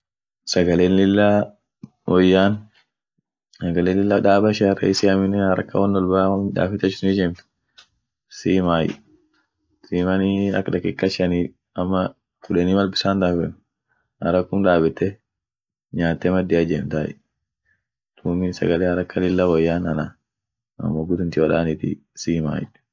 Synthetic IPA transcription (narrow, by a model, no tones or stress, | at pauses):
sɐɡɐleːnlɪlːa | wɔjːaːn | sɐɡɐleːnlɪlːɐᶑaːbɐʃɛɐrɐ̰ɪsɪɐmɪnːɛnhɐɾɐ̰kːɐwɐnːɔlbamᶑ̪a̰ːfɪt̪ːɐt͡ʃːnɪd͡ʒɛmt̪ | siːmaːj̰ | siːmɐniɐ̰kːᶑɐkːɛkʼːɐt͡ʃːɐniː | ɐmːɐ | kʊᶑɛnimɐlbɪsaːnd̪aːbɛn | hɐɾɐkːʊmᶑaːbɛt̪ːɛ | ɲaːt̪ːɛmɐd̪ɪɐd͡ʒɛmt̪aːj̰ | t̪uːmɪsɐ̰ɡɐleːhɐɾɐkːɐlɪlːɐwɐjːaːnɐna | ɐ̰mːoːɡʊd̪ʊnt̪ɪwɐᶑaːnɪt̪ɪ̰siːma̰ːjɪ̰